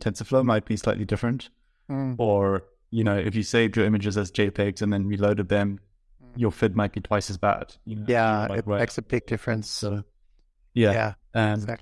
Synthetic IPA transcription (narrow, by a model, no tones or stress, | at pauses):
tʰɛ̃nsəfloʊmaɪt̚b̥isla̰ɪʔˡlidɪfɹɨ̃nt | ə˞ | jɨnoʊʔɨfjɨseɪdɹʉɪ̃mɨd͡ʒɨzɨzd͡ʒeɪpʰeɪɡzɨ̃nðɨ̃nɹiloʊɾɨd̪̚ðɨ̃m | jəfɪd̚maɪt̚b̥itʰw̥aɪsɨzbæ̰d̥jɨjæɪ̰ɹaeɪksɨbɪɡ̚dɪfɹɨ̃nsoʊ | jææ | ɨ̃n